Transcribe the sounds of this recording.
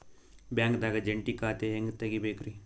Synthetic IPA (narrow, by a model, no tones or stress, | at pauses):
bjãːŋkd̪aːɡad͡ʒɐɳʈikaːt̪eeŋɡt̪ɐɡibeːkɾi